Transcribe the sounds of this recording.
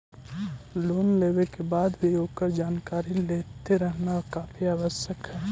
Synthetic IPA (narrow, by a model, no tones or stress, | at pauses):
loːnleːwekebaːd̪bʱijoɡkəɾd͡ʒaːnkaːɾilet̪eɾəɦnaɔɾkaːpʰiaːʋəsjəkɦɛː